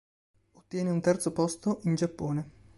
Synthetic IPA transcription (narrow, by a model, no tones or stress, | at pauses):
ot̪ːjɛːneunt̪ɛrt̪sopɔst̪oʔind͡ʒapːoːne